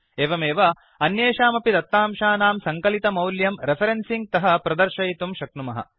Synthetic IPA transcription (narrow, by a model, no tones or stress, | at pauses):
eːʋɐmeːʋɐ | ɐnjeːʃaːmɐpid̪ɐt̪ːaːmʃaːnaːmsɐŋkɐlit̪ɐmɐwljɐmɾepʰɐɾensiŋɡ̚t̪ɐɦɐpɾɐd̪ɐɾʃɐjit̪umʃɐknumɐɦɐ̰